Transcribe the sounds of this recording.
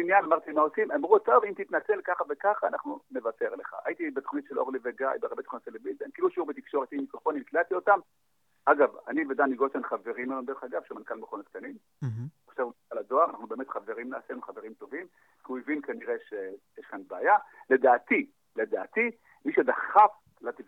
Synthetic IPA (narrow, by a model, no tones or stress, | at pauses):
injanamaʁt̪imao̞simamʁuatavimt̪it̪nat͡se̞lkaχavekaχaːnaχnune̞vate̞ʁle̞χa̰a̰jit̪ibet̪o̥χnit̪ʃeloʁleveɡajbeaʁbet̪oχnot̪elebizenkiluʃuʁbet̪ikʃo̞ʁet̪imikofonilklat̪io̞t̪am | ʔaɡavanived̪aniɡoʃenχave̞ʁimːeombeeχaɡavʃemankalmeχonotk̚t̪anim | χʃavaladoaʁanaχnubeemet̪χaveʁimnaːsenuχaveʁimt̪o̞vim | kiuevinkaniʁeʃejeʃkanbaːjale̞d̪aːt̪i | le̞d̪a̰ːt̪i | miʃed̪aχaf | lat̪i